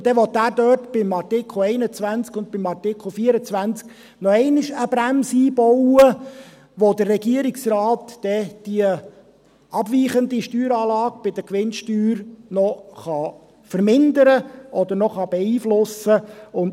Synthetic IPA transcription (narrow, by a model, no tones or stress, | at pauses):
d̥̪ɛʋɔt̪æːɾdœrtb̥ɪmɑrtɪkχl̩ɛɪnət͡sʋænt͡skʊnd̪̚b̥ɪmɑrtɪkχl̩ˠfiəɾət͡sʋænt͡sk | nɔɛɪnɪʃəbɾæmsiːbɔwə | ʋod̪ərːɛɡiəɾiksrɑːt̪d̥ɛd̥iə | ɑbʋiːχənd̪iʃtyːɾɑːlɑːɡb̥ɪd̪əkʋɪnʃtyːɾnɔχɑ | fəɾmɪnd̪əɾəʔɔd̪əɾnɔχɑb̥ɛiːflʊsəʊn